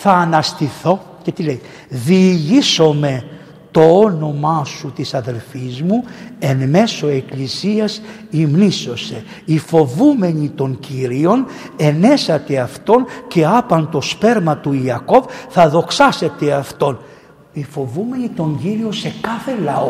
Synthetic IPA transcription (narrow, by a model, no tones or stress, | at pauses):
θɐːnɐst̪iθo̞ | ce̞t̪ile̞j | ðiːʝiso̞me̞ | t̪o̞ono̞mɐsut̪isɐðe̞lfizmue̞nme̞so̞e̞klisiɐs | imniso̞se̞ | ifo̞vume̞ɲit̪o̞ɲciɾio̞n | e̞ne̞sɐt̪e̞ɐft̪o̞nce̞ɐpɐnt̪o̞spe̞ɾmɐt̪uiɐko̞vθɐðo̞ksɐse̞t̪e̞ɐft̪o̞n | ifo̞vume̞ɲit̪o̞ɲɟiɾio̞se̞kɐθe̞lɐo